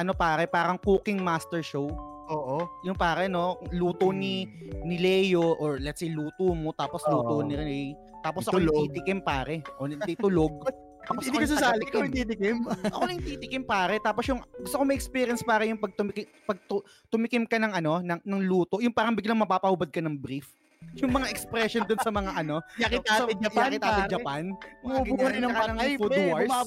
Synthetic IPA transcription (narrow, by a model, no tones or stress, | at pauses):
ʔɐno̞paːɾɛpaːɾɐŋkuːkɪŋmaːst̪ɛɹʃow | ʔoːʔojʊŋpaːɾɛno̞luːt̪oninɪlɛjoʔoɹlɛt̪sejluːt̪omo̞t̪aːposluːt̪onɪɾɪɛj | t̪aːposʔɐkoiːt̪ɪkɪmpaːɾɛʔonɐt̪ijt̪ʊloɡ̚t̪aːposɐd̪iɐsʊsaːlɪkɐɪt̪it̪ɪkɛmʔɐ̰konɐŋt̪it̪ɪkɪmpaːɾɛt̪aːposjʊŋɡʊst̪okomɐʔɛkspiːɾjɐnspaːɾɐjʊŋpɐɡ̚t̪ʊmɪkɪ | pɐɡ̚t̪ʊ | t̪ʊmɪkɪmkɐnɐŋɐno̞nɐŋnɐŋluːt̪o̞jʊŋpaːɾɐŋbɪɡlɐŋmɐpaːpɐhʊbɐd̪̚kɐnɐŋbɾif | jʊŋmɐŋaʔɛkspɾɛʃond̪ʊnsɐmɐŋaʔɐno̞jakɪt̪ːɪd͡ʒɐjaɪtt̪aːt̪ːɪd͡ʒɐpanoɡɪɐɪnɐɐɐɐfud̪ɐɹa